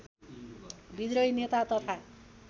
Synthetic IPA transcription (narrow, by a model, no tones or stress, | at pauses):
bid̪ɾʌjnet̪at̪ʌt̪ʰa